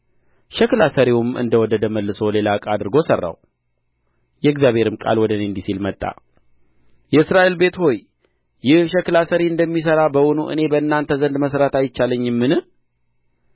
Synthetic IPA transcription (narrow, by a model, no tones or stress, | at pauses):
ʃəklasəɾiwumʔɨ̰nd̪əwɔd̪əd̪əməlːɨso̞le̞lakʼad̪ɨɾɡo̞sərːa̰w | jɛɡzjaβhe̞ɾɨmkʼa̰lwɔd̪əneɨnd̪isilmət̪ʼːa̰ | jɛɨsɾaʔelbe̞t̪ho̞j | jɪhʃɛklasəɾiɨnd̪əmːis̬əɾabəwɔnuʔɨ̰ne̞bəɨnːant̪ʰəzənd̪məsɾat̪ajɪt͡ʃːaləɲːɨmːɨnɨ